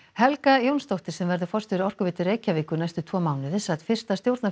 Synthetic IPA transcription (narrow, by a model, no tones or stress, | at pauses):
hɛlkajownst̪owht̪ɪɾ̥sɛmvɛɾðʏfɔrst̪fɪɾɪɾɔr̥kʏvɪːt̪ɪreːjcavɪːkʏɾnajst̪ʏt̪ʰvɔːmaːwnɪθɪsːat̪fɪr̥st̪ast̪jowɾt̪na